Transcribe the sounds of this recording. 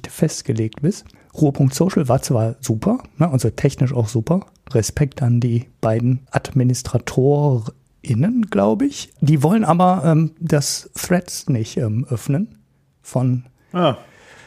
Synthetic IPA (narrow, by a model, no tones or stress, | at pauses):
fɛstɡ̥əleːk̚tb̥ɪs | ʁuːəpʰʊŋk̚tsoʊʃl̩vaːɐt͡sv̥aːɐzuːpʰɐnəʔalzotʰɛçnɪʃa̰ʊxz̥uːpɐ | ʁɛspɛktandiːb̥aɪdn̩ʔadminɪstʁ̥atʰoːʁ | ɪnənɡ̥laʊbəɪçd̥iːvɔlənʔaːbɐʔɛːmdasθʁ̥ɛtsnɪçtʔɛːmʔœfnən | fɔn | a